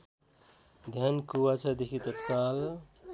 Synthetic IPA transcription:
d̪ʱjankuwat͡sʰʌd̪ekʰit̪ʌt̪kal

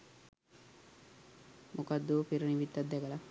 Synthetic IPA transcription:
mʔukad̪ːuʋpiɾuniʋit̪ːad̪d̪ɛɡəla

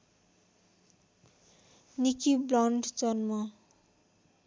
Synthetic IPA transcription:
nikiblʌɳɖd͡zʌnmʌ

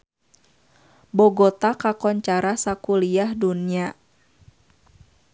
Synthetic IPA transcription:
bɔɡɔt̪akakɔɲt͡ʃaɾasakuliahdunia

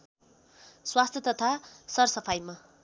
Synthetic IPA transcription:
swast̪ʰjʌt̪ʌt̪ʰasʌrsʌpʰajma

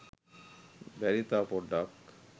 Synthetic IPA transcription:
bɛɾit̪apɔɖak

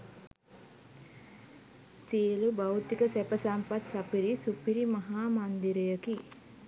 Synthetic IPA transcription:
silubawt̪ikəsɛpəsampat̪sapiɾisupiɾimaɦaːmand̪iɾəjəki

